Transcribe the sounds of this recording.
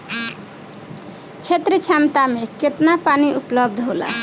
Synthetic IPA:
t͡ʃʰet̪ɾət͡ʃʰamt̪ameket̪napaniʔupləb̚d̪ʱɦola̰

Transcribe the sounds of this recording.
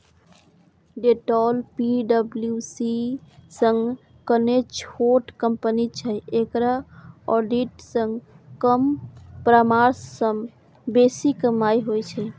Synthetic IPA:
ɖeʈɔlpiɖəbljusisə̃ŋɡ | kənet͡ʃʰhoʈkəmpənit͡ʃʰɛekɾaɔɖiʈsə̃ŋɡ | kəmpɾamaɾsːəm | besikmajɦojt͡ʃʰɛ

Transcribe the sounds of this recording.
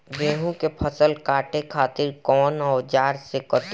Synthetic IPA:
beːɦũkepʰəsəlkaːʈekʰaːt̪ɪɾkɔːnɔːd͡ʒaːɾsekɔt̪

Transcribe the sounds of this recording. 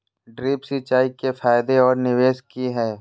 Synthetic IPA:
ɖɾiːpsit͡ʃaːikefaːjd̪eɔːɾnɪʋeːskiɦɛː

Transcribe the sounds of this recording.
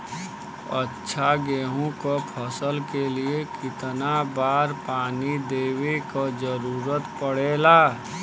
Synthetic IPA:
ətːʃʰaɡeːɦũkopʰəsəlkeliekɪt̪nabaːɾpaːnid̪eːwekad͡ʒəɾuːɾət̪pəɽeːlaː

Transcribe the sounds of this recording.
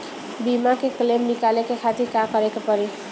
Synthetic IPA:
bimakeklemnikalekekʰat̪iɾkakəɾekepəɾi

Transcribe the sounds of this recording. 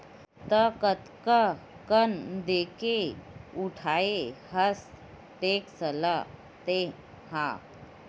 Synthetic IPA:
t̪əkət̪kə | kənd̪ekeuʈʰaehəs | t̪eksəla | t̪e | hã̰

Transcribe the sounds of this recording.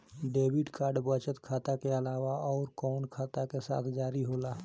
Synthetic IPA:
ɖeːbɪɖkaːɾɖbət͡ʃət̪kʰaːt̪akeəlaːʋaʔɔːɾkɔːnkʰaːt̪akesa̰ːt̪ʰd͡ʒaːɾiɦoːla

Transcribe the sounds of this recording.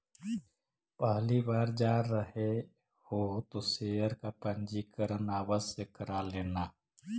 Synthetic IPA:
pəɦlibaːɾd͡ʒaːɾəɦe | hot̪osejəɾkapə̃nd͡ʒikəɾənaːwazsekəɾaːleːnaː

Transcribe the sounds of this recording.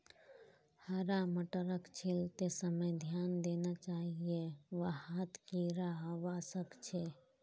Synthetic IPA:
həɾaməʈəɾəkt͡ʃʰilt̪esəməjd̪ʱjand̪enat͡ʃaɦieʋəat̪kiɾaɦəʋasəkt͡ʃʰe

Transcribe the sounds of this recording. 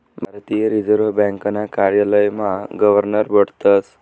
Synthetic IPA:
bʱaɾt̪ijəɾid͡zəɾəbɛ̃ŋkanakaɾjaləjmaɡəʋəɾnəɾbəɽt̪ət͡s

